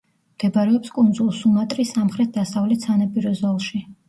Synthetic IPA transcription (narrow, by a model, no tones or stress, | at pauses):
md̪̥ɛbɾɛɔpskʼund̪zulˠsumat̪ʼɾisamχɾɛt̪̚ʰd̪asavlɛt̪sanapʼiɾɔzɔlˠʃi